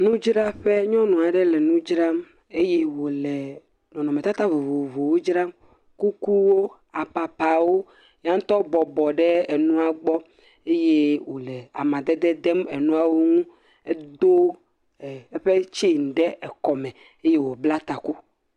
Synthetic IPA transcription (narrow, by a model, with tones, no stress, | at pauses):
nũ˦d͡ʒɾa˦ɸe˦ɲɔ̃˦nũ˨a˨ɖɛ˦lɛ˨nũ˦d͡ʒɾa˦m | e˦je˦wo˨lɛ˨ | nɔ̃˨nɔ̃˨me˨t̪a˦t̪a˦vo˨vo˨vo˨wo˦d͡ʒɾa˦m | ku˦ku˦wo˦ | a˨pa˨pa˨wo˦ | ja˦t̪ɔ˦bɔ˨bɔ˨ɖɛ˦e˨nũ˦a˨ɡ͡bɔ˦ | e˦je˦wo˨lɛ˨a˨mã˨d̪e˦d̪ɛ˦d̪ɛ˦me˨nũ˦a˦wo˦ŋũ˦ | e˦d̪o˦˨ | e˦ɸe˦t͡ʃi˦˨ŋ˨ɖɛ˦ʔɛ˨kɔ˨mɛ̃˨ | e˦je˦wo˨bla˦t̪a˨ku˦